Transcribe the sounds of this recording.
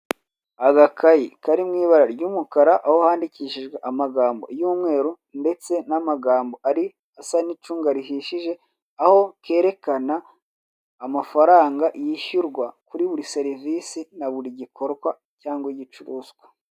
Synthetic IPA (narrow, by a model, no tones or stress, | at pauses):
aɡakʰajikaɾimŋiːβaɾaɾɟuːmukaɾaʔahohaːndiciːʃiʒɡweʔamaɡaːmbo̞̰juːmŋe̞ːɾu | nde̞t͡se̞namaɡaːmbo̞ʔaɾi | asanit͡ʃuːŋɡaɾiɦiʃiʒe̞ | aho̞ke̞ːɾe̞kanaː | mafaɾaːŋɡaʔjiʃuɾɡwakuɾiβuɾiseɾivisinaβuɾiɟikʰo̞ɾɡwa | caːŋɡwiɟit͡ʃuɾuːzɡwa